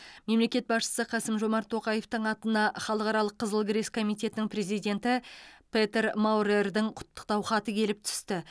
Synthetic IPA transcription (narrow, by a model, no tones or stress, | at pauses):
me̞mle̞kʲe̞t̪̚bɑsʃə̥səqʰɑsəmʒo̞mɑɾt̪ʰːo̞qɑje̞ft̪əɴɑt̪ənɑχɑlˠəqɑɾɑlˠəqʰːəzəlˠɡʲɪɾe̞skʰo̞mijt̪e̞t̪ɪnɪŋpɾe̞zijd̪ʲe̞nt̪ɪpʰet̪eɾmawɾerd̪ɪŋqʰʊ̥t̪ːə̥q̚t̪ɑwχɑt̪əkʲʰe̞lɪp̚t̪ʰʏ̥st̪ɪ